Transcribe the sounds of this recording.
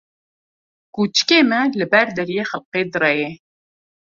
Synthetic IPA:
kut͡ʃkeːmɛlɨbɛɾd̪ɛɾjeːxælqeːd̪ɨrɛje

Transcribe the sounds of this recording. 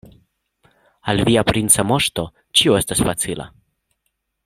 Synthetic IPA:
alviapɾinsamo̞ʃt̪o̞ | t͡ʃioe̞stasfat͡sila̰

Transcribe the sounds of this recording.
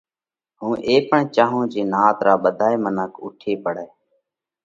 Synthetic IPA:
ɦũːʔeːpəɳt͡ʃaːɦõːd͡ʒeːnaːt̪ɾaːɓəd̪ʱaːeːmənəkʰʊ̰ʈʰeːpəɽɛː

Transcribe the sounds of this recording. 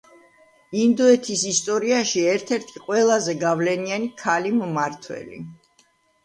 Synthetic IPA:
ind̪ɔɛt̪ʰisist̪ʼɔɾiaʃiɛɾt̪ʰɛɾt̪ʰiqʼwɛlˠazɛɡavlɛnianikʰalimmaɾt̪ʰwɛ̰lḭ

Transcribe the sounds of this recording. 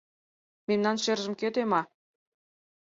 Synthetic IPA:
memnɑnʃerʒə̆mkøt̪emɑ

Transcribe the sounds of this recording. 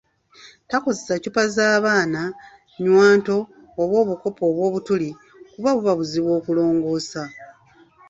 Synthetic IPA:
tako̞zesacupazaːβaːna | ɲwaːnto̞ː | βwo̞ːβuko̞po̞ːβwo̞ːβutuli | kuβaβuβaβuziβwo̞ːkulo̞ːŋɡo̞ːsa

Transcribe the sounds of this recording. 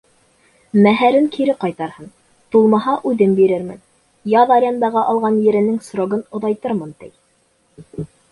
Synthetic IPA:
mæɦæɾɘŋkʰiɾɘqɑjt̪ɑɾhɤn | t̪ulˠmɑɦɑʔʉðɘmbiɾɘɾmɘ̰n | jɑðɑɾʲjɑnd̪ɑʁɑʔɑlˠʁɑnjɘ̆ɾɘ̆nɘŋsɾoɡɤnŏðɑjt̪ɤɾmɤnt̪ɘ̰j

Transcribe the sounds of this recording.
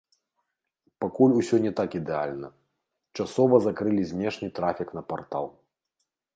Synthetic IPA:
pakulʲusʲɔnʲɛt̪akid̪ɛa̰lʲnɐ̰ | t͡ʂasɔvɐzakɾɨlʲizʲnʲɛʂnʲɨt̪ɾafʲikn̪ɐpart̪a̰lˠ

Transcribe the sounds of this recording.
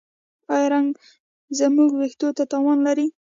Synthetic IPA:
ɑjɑɾaŋɡ | zəmuɡwext̪ot̪at̪ɑwɑnlaɾi

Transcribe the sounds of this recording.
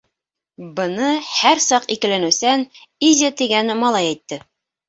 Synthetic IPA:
bɤ̆nɤhæɾsɑqikɘ̆lænʉ̆sænizʲat̪iɡænmɑlˠɑjæjt̪ːɤ

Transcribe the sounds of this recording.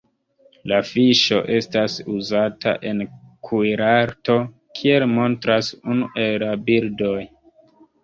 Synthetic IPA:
lafiʃo̞ʔe̞stasuzata̰ʔe̞nkʰujɾaɾto̞ | kʰie̞lmo̞ntɾasunuʔe̞llabildo̞j

